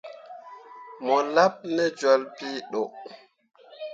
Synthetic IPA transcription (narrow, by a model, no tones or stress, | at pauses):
mɔlap̚nɛd͡ʒɔlpiːɗɔ